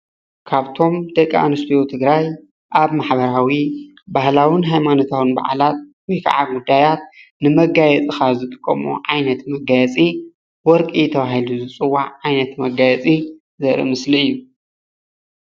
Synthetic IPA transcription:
kʰaβt̪ʰo̞md̪ɐkʼːa̰nɨst̪ʰijot̪ʰɨɡɾaj | ʔaβmaħbɐɾawi | bahlawɨnɦajmanot̪ʰawɨnba̰ʕa̰lat̪̚wɔjkʰa̰ʕaɡud̪ːajat̪̚nɨmɐɡajɛt͡sʼixazɨt̪ʼɨkʼːɐ̰mṵʕajnɐt̪mɐɡajɛt͡sʼi | wɔɾkʼit̪ʰɐβahiluzɨt͡sʼɨwːaʕʕajnɐt̪mɐɡajɛt͡sʼi | zɐɾḭmɨsliɨjːu

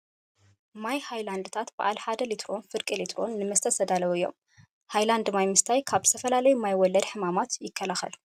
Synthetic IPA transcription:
majhajland̪t̪ʰat̪bɨʔalħad̪ɐlit̪ʰɾo̞nfɨɾkʼilit̪ɾo̞nːɨmɐst̪ʰɐsɐd̪alɐwɨjːo̞̰m | hajland̪majmɨst̪ʰajkʰaβzɨ̥t̪ʰɐfɐlalɐjumajwɔlːɐd̪ħɨmamat̪jɪkʰːɐlaxɐ̰l

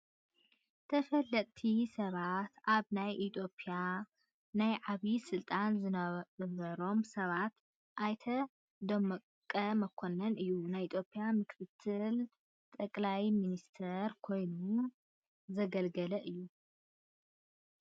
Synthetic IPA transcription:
t̪ʰɐfɐlːɐt̪ʼt̪ʰisɐβat̪ʔaβnajʔit̪ʰo̞pʼija | najʕaβisɨlt̪ʼanzɨnɐβɐɾo̞msɐβat̪ | ʔajt̪ʰɐ | d̪ɐmɐ | kʼːɐmɐkʰonɐnʔɨjːunajʔit̪ʰjo̞pʼːijamɨkʰɨt̪ʰːɨl | t̪ʼɐkʼlajminist̪ʰɐɾkʰo̞jnu | zɐɡɐlɡɐlɐʔɨjːu

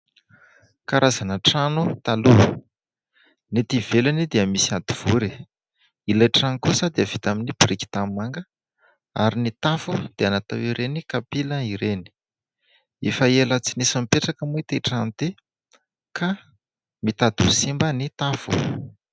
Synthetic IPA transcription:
kaɾʔazanəʈ͡ʂanut̪alu | nit̪ivelanid̪eəmisiad̪̥iv̥uɾi | ilajʈ͡ʂankusəd̪eəv̥it̪aminibiɾiki̥t̪amimaŋɡə | aɾinit̪afud̪̥eanat̪a̰wiɾenikapiləiɾeni̥ | efaelət͡sinisamipeʈ͡ʂakəmujt̪eʈ͡ʂant̪e | kʰa | mit̪ad̪usimbənit̪afṵ

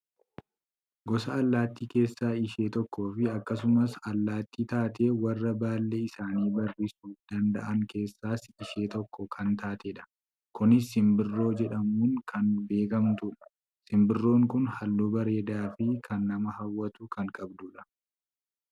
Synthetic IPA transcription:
ɡɔsɐːlːaːt̪ːiːke̞ːsːaːɪʃe̞ːt̪ɔkːo̞ːfɪɐkːɐs̬ʊmɐsɐlːaːt̪ːiːt̪aːt̪ʰe̞ːwɐrːɐbaːlːeɪsaːniːbɐrːisuːfd̪ɐnd̪ɐ̰ʔɐŋke̞ːsːaːsɪʃe̞ːt̪ɔkːɔkʰɐnt̪ʰaːt̪eːᶑɐ̥ | kʊnɪsɪmbɪrːo̞ːd͡ʒɛᶑɐmuːŋkʰɐnbe̞ːkɐmt̪ʊᶑɐ̥ | sɪmbɪrːo̞ːŋkʊnhɐlːoːbɐɾe̞ːd̪aːfɪkʰɐnːɐmɐhɐwːɐt̪ʊkɐŋkʼɐbd̪ʊᶑɐ

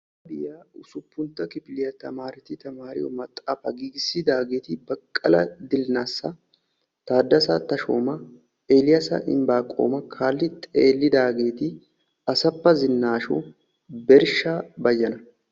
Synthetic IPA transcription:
ɐbɪjaːʊsʊpːʊnt̪ːɐkɪpɪlɪjɐt̪ɐmaːɾɪt̪ɪt̪ɐmaːɾɪ̰jɔ̰mɐt̪ʼːaːfɐɡiːɡɪsːɪd̪aːɡe̞ːt̪ɪbɐkʼːɐlɐd̪ɪlnaːsːɐ | t̪aːd̪ːɐsɐt̪ːɐʃoːmɐ | eːlɪjɐsɐ̰ʔɪ̰mbaːkʼːo̰ːmɐkʰaːlːɪt̪ʼeːlːɪd̪aːɡe̞ːt̪ɪ | ɐsɐpːɐzɪnːaːʃɔ̰ | bɛɾʃaːbɐjːɐnɐ

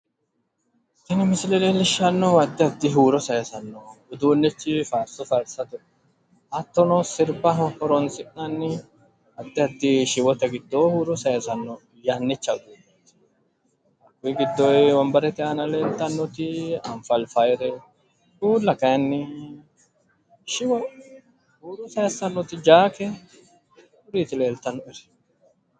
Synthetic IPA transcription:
t̪ɪnɐmɪsɪlɛlelɪʃːɐnːɔɐd̪ːɪɐd̪ːɪɦuːɾɔsɐjɐsɐnːɔʊd̪uːnːɪt͡ʃːɪfaːɾsɔfɐɾsɐt̪ʊ | ɐt̪ːɔnɔsɪɾbɐɦɔhɔɾɔnsɪʔnɐnːɪ | ɐd̪ːɪɐd̪ːɪʃɪwɔt̪ɐɡɪd̪ːohuːɾɔsɐjɐsɐnːɔ | janːɪt͡ʃːɐʊd̪uːbɛt̪ː | ɐʊjɡɪd̪ːɔjwɔmbɐɾɛt̪ɪɐnɐle̞ːlt̪ːɐnːɔt̪ɪɐɱfɐlfɐjɾɛ | uːlːɐkɐjɐnːɪ | ʃɪwɔ | huːɾɔsɐjɐsɐnːɔt̪ɪd͡ʒaːkɛ | ʊɾiːt̪ɪle̞ːlt̪ːɐnːɔɛɾɛ̥

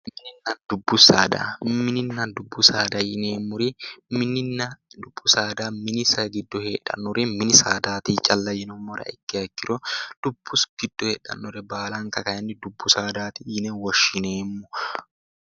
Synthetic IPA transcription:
mɪnɪnːand̪ʊbːʊsaːd̪a̰mɪnɪnːad̪ʊbːʊsaːd̪ɐjɪneːmːʊɾimɪnɪnːɐd̪ʊbːʊsaːd̪aːmɪnɪsɐɡɪd̪ːɔheːᶑːɐ̰nːɔɾɛmɪnɪsaːd̪aːt̪it͡ʃʼɐlːɐjɛnɔmːɔɾɐ̰ɪkːɪɐkːɪɾɔd̪̥ʊbːʊsɡ̥ɪd̪̥ːɔheːᶑɐ̰nːɔɾɛbaːlaŋkɐkɐjɐnːɪd̪ʊbːʊsaːd̪aːt̪ijɪneːwɐʃːɪneːmːʊ

